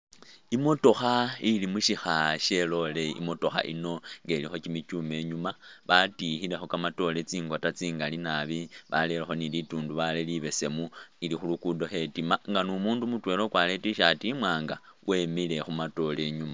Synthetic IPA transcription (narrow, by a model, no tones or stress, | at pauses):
imo̞to̞xailimuʃixaʃe̞lo̞le̞ḭmo̞to̞xa̰ʔḭno̞ŋɡelixo̞cimit͡ʃume̞ɲumaβatixile̞xo̞kamato̞let͡siːŋɡotat͡siːŋɡalinaβiβa̰lelexo̞nilituːnduβaleliβe̞se̞muilixulukudo̞xe̞timaŋɡanumuːndumutwe̞lo̞kwaletiʃatimwaːŋɡawʔe̞mile̞xumato̞le̞ɲuma